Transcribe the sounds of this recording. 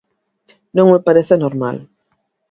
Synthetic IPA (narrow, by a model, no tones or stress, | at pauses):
nõŋmepaɾeθenoɾma̰l